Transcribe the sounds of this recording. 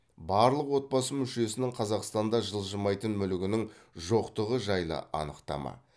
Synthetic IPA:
bɑɾlˠəqwo̞t̪̚bɑsəmʏʃe̞sɪnɪŋqʰɑzɑqst̪ɑnd̪ɑʒəlˠʒəmɑjt̪ənmʏlɪɡʲɪnɪŋʒo̞qt̪əʁəʒɑjlˠə̰ʔɑ̰nəqt̪ɑ̰mɑ̰

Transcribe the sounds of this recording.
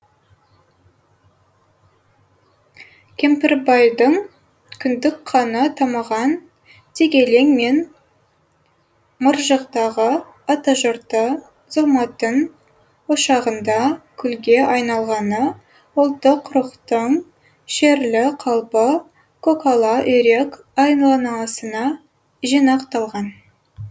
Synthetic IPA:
kʲʰe̞mpɪɾbɑjd̪əɴ | kʲʰʏnd̪ɪkqʰɑnət̪ʰɑməʁɑn | t̪ʰeɡʲe̞le̞ŋme̞n | məɾʒəqt̪ɑʁə | ot̪oʒoɾt̪ə | z̥omɑt̪əɴ | oʃɑʁənd̪ɑkʲʰʏlɡʲe̞ʔɑjnɑlˠʁɑnə | ʊlˠt̪ːəqʰːʊɾəqt̪əɴ | ʃeɾlɪqʰɑlˠpə | kʰokolˠɑʔɵɾe̞k | ɑjnlˠɑnɑsənɑ | ʒijnɑqt̪ɑlˠʁɑn

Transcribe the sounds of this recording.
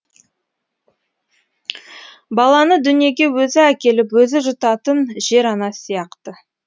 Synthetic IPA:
bɑlˠɑnəd̪ʏnije̞ɡʲe̞wɵzɪækʲe̞lɪpwɵzɪʒʊt̪ɑt̪ənʒe̞ɾɑnɑsijɑqt̪ə

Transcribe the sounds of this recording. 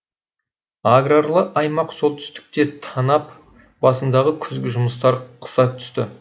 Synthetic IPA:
aɡraɾlˠəʔɑjmɑqso̞lˠt̪ʰʏ̥st̪ɪ̥k̚t̪e̞t̪ʰɑnɑp | b̥ɑsənd̪ɑʁəkʲʰʏzɡʲɪʒʊməst̪ɑɾqʰə̥sɑt̪ʰʏ̥st̪ɪ

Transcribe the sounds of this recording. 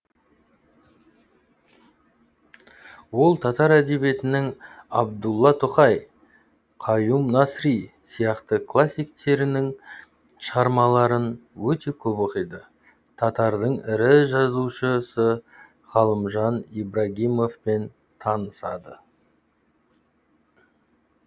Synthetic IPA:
wo̞lˠt̪ʰɑt̪ɑɾæd̪e̞bje̞t̪ɪnɪŋɑb̚d̪ulˠːɑt̪ʰʊqɑj | qʰɑjumnɑsɾisijɑqt̪əkʰlˠasʲːijk̚t̪e̞ɾɪnɪŋ | ʃəʁɑɾmɑlˠɑɾənwɵt̪e̞kʲʰɵboqəjd̪ə | t̪ʰɑt̪ɑɾd̪əɴɪɾɪʒɑzuʃəsə | ʁ̥ɑlˠəmʒɑnibɾaɡʲijmo̞fpe̞n | t̪ʰɑnəsɑ̰d̪ə

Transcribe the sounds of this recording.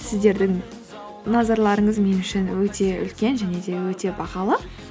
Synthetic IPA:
sɪzd̪e̞ɾd̪ɪŋ | nɑzɑɾlˠɑɾəɴəzme̞nʏʃɪnwɵt̪ʰe̞ʏ̰lkʲe̞nʒæne̞d̪e̞wɵt̪e̞bɑqɑlˠə

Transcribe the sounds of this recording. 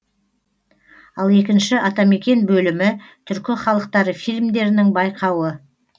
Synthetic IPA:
ɑlˠe̞kʲɪnʃɪʔɑt̪ɑme̞kʲe̞nbɵlɪmɪt̪ʰʏɾkʲɪχɑlˠəq̚t̪ɑɾəfijlmd̪e̞ɾɪnɪŋbɑjqʰɑwə

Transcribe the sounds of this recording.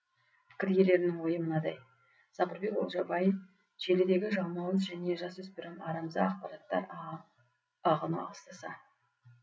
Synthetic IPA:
pʰɪ̥kʲɪɾje̞le̞ɾɪnɪŋwo̞jəmənɑd̪ɑj | sɑqəɾbe̞ko̰lˠʒɑbɑjəf | ʒe̞led̪e̞ɡʲɪʒɑwmɑwˠəzʒæne̞ʒɑswɵspɪɾɪmɑɾɑmzɑ̰ɑqpɑɾɑt̪ːɑ̰ɾ | ɑʁənṵɑ̰lˠəst̪ɑsɑ̰

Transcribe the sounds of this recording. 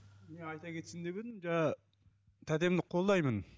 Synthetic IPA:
me̞nɑjt̪ɑkʰʲe̞t̪sɪnd̪e̞βed̪ɪmd͡ʒɑ | t̪ʰæd̪e̞md̪ɪqʰo̞lˠd̪ɑjmən

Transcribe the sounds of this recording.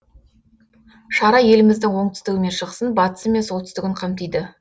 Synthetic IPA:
ʃɑɾɑje̞lɪmɪzd̪ɪŋwo̞ɴt̪ʰʏ̥st̪ɪɡʲɪme̞nʃəqsənbɑt̪ə̥səme̞nsolt̪ʰʏ̥st̪ɪɡʲɪɴqʰɑmt̪ijd̪ɪ

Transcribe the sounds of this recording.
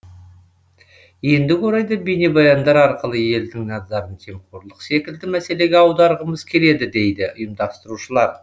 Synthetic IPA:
je̞nd̪ɪwo̞ɾɑjd̪ɑbene̞bɑjɑnd̪ɑɾɑɾqəlˠəje̞ld̪ɪŋnɑzɑɾənt̪ʰe̞mqʰoɾlˠəqse̞kʲɪld̪ɪmæse̞le̞ɡʲeɑwd̪ɑɾʁəməzkʲʰe̞le̞d̪ɪd̪e̞jd̪ɪʊjəmd̪ɑst̪əɾuʃəlˠɑɾ

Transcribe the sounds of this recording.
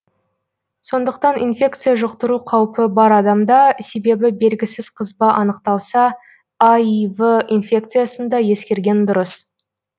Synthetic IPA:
so̞nd̪əq̚t̪ɑnʔinfʲe̞k̚t̪sɨjaʒʊqt̪əɾuqʰɑwpəbɑɾɑd̪ɑmd̪ɑse̞be̞bɪbe̞lɡʲɪsɪzqʰəzbɑʔɑnəqt̪ɑlˠsɑ | ɑjvəinfʲe̞k̚t̪sɨjasənd̪ɑje̞skʲe̞ɾɡʲe̞nd̪ʊɾəs

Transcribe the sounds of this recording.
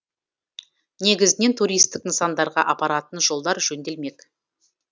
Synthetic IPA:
ne̞ɡʲɪzɪne̞nt̪ʰuɾijst̪ɪkənsɑnd̪ɑɾʁɑ̰ʔɑpɑɾɑt̪ənʒo̞lˠd̪ɑɾʒɵnd̪e̞lme̞k

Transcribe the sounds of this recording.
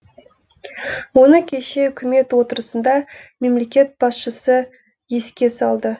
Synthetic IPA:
wo̞nəkʲʰe̞ʃe̞ʏkʲɪme̞t̪wo̞t̪əɾəsənd̪ɑme̞mle̞kʲe̞t̪̚b̥ɑsʃəsə | je̞skʲe̞sɑlˠd̪ə

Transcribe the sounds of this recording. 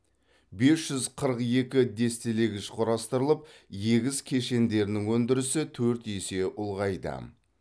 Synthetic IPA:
be̞sʒ̥ʏzqʰəɾəqje̞kʲɪd̪e̞st̪eleɡʲɪʃqʰʊɾɑst̪əɾəlˠəp̚je̞ɡʲɪzkʲʰe̞ʃe̞nd̪e̞ɾnɪŋwɵnd̪ɪɾɪsɪt̪ʰɵɾt̪jese̞ʔʊlˠʁɑjd̪ə̰

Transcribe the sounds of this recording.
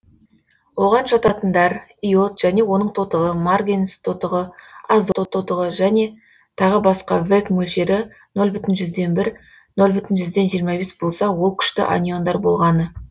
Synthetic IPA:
wo̞ʁɑnʒɑt̪ɑt̪ənd̪ɑɾijo̞t̪ʒ̥æne̞wo̞nəɴt̪ʰo̞t̪əʁəmarɡʲenst̪ʰo̞t̪əʁəazd̪ot̪ot̪ʰot̪əʁəʒæne̞ | t̪ʰɑʁəbɑsqɑvekmɵlʃe̞ɾɪ | no̞lˠbʏt̪ɪnʒʏzd̪e̞nbɪɾ | no̞lˠbʏt̪ɪnʒʏzd̪e̞nʒijəɾmɑbe̞sbo̞lˠsɑwo̞lˠkʲʰʏ̥ʃt̪ɪ̰ʔa̰nʲijo̞nd̪ɑɾbo̞lˠʁɑnə

